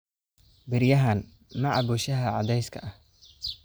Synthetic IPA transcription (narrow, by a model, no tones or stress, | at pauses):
bɪɾjɐɦɐn | mɐʕɑbɔːʃɐɦɐʕɑ̰d̪ɛjskʰɐʔɐh